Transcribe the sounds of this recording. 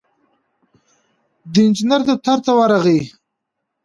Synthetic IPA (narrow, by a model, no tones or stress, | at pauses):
d̪əɪnd͡ʒinaɾd̪ət̪aɾt̪awaɾaɣi